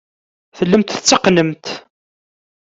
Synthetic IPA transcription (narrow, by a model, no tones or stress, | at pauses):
θəlːəmt̪θə̥t͡sːəqnəmt̪